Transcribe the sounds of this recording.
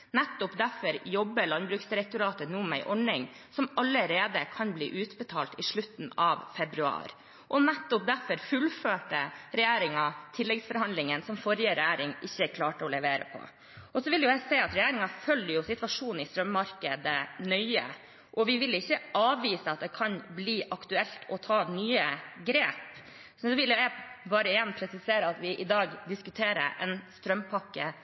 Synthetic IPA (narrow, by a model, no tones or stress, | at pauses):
nɛt̪ːʊpd̪æɾfɔɾjɔbːəlɑnbɾʉːksd̪ɪɾɛk̚t̪ʊɾɑːt̪ənuːmæɪʔɔɳɪŋ | sɔmɑlːəɾeːd̪əkʰɑnblḭːʔʉːt̪bət̪ʰɑːlt̪ɪʂɭʉt̪ːn̩ɑʋfɛbɾʉɑ̰ːɾ | ʔɔnɛt̪ːʊp̚d̪æɾfɔɾfʉlføːʈəɾɛjæːɾɪŋɑt̪ʰɪlːɛɡsfɔɾhɑnd̪lɪŋənsɔmfɔɾjəɾɛæːɾɪŋʔɪçːəkʰlɑːʈəɔlɛʋeːɾə̰pʰɔ̰ | ʔɔsɔʋɪljʊjæɪsɛɪɑt̪ɾɛjeːɾɪŋɑfœljjʊsɪt̪ʋɑʂuːnn̩ɪst̪ɾœmːɑɾkəd̪ənœʏə̰ | ʔɔʋɪʋɪlɪçːəɑːʋʋiːsəɑt̪̚d̪ɛkʰɑnbliːʔɑkt̪ʉɛlt̪ʰɔt̪ʰɑːnyːəɡɾeːp | sɔɔʋɪljʊjæbɑːɾəɪjɛnpʰɾɛsɪseːɾəɑt̪ʋɪʔɪd̪ɑːɡd̪ɪskʉt̪ʰeːɾə̰ɾʔɛ̰nst̪ɾœmpʰɑkːə